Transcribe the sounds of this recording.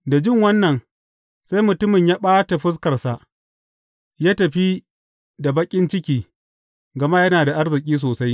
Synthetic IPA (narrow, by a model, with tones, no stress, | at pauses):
da˨d͡ʒɪ˦ŋwɐ˦nːɐ˨n | sa˦jmʊ˨tʊ˦mɪ˨ɲjaː˦ɓaː˦ta˨ɸʊ˦s̬kɐ˨rsa˨ʔ | jaː˦tɐ˨ɸi˦ | da˨bɐ˦kʲʼɪ˦nt͡ʃɪ˦kʲiː˨ | ɡɐ˨ma˦jɐ˦naː˨da˨ʔa˦ɾzɪ˨kʲʼiː˦s̬oː˨sa˦j